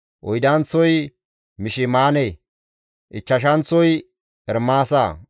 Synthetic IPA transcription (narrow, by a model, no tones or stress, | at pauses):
ʔɔjd̪ɐnt͡sːɔj | mɪʃɪmaːne | ʔɪt͡ʃːɐʃ̬ɐnt͡sːɔj | ʔɛɾmaːsa̰ː